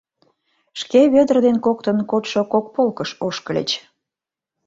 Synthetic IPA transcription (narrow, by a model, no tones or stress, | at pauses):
ʃkeβød̪ərd̪enkok̚t̪ənkot̪ʃokok̚polkəʃoʃkəlḛt͡ɕ